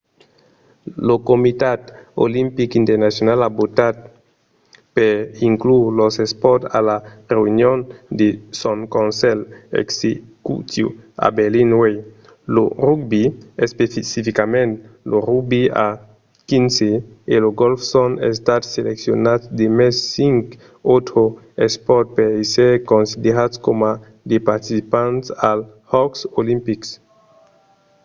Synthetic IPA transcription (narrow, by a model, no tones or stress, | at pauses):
lokomit̪at̪o̰limpikint̪eɾnasjonalabot̪at̪̚ | peɾiŋklulosespɔt̪a̰lareunjond̪esoŋkõnsɛlḛksekṵt̪jṵa̰beɾlinwej | lorukbiespefisifikamẽnt̪loɾuɡ̚bia̰ | kinse | eloɡolfsonḛs̬t̪at̪seleksjonat̪d̪emɛsːiŋk | ot̪ɾo | espɔɾt̪̚peɾesekõnsid̪eɾat̪skoma | d̪epaɾt̪isipãntsal | hɔksolimpiks